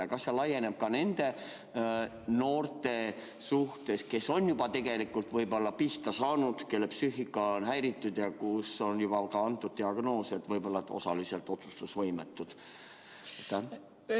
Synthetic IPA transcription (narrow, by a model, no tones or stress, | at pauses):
ɑkɑsːelɑje̞ne̞b̥̚kɑne̞nd̪̥e̞ | no̞ːrt̪e̞ | suht̪e̞ske̞so̞njubɑt̪e̞ɡ̥e̞likːult̪vɤjbo̞lːɑpiht̪ɑsɑːnud̪̥ke̞lːepsyhikːˑɑonɦæjɾit̪ːud̪̥jɑkuso̞njub̥ɑkɑɑnt̪ːˑud̪̥̚t̪iɑɡ̥no̞ːset̪vɤjbo̞lːɑt̪ːo̞̰sɑliselt̪ːˑo̞t̪su̥st̪usvɤjmḛt̪ːˑud̪̥ | t̪ːɑ